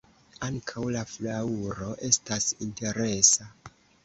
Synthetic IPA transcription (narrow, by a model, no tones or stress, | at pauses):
aŋkʰawlaflauɾo̞ʔe̞stasinte̞ɾe̞sa